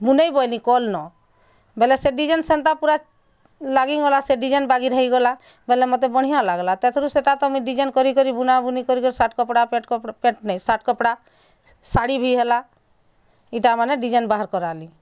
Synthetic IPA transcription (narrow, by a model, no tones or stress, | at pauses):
bunejbɔjlikɔlnɔ | bɛlɛseɖid͡ʒensɛnt̪apuɾa | laɡiŋɔlaseɖid͡ʒenbaɡiɾɔɦiɡɔla | bɛlɛmɔt̪̬ebɔɽ̤ijãlaɡlat̪ɛt̪ʰɔɾuseʈat̪ɔmiɖid͡ʒenkɔɾikɔɾibunabunikɔɾikɔɾisaʈkɔpɽapeʈpeʈnɛjsaʈkɔpɽa | saɽibʱiɦela | iʈamaneɖid͡ʒenbaɦaɾkɔɾali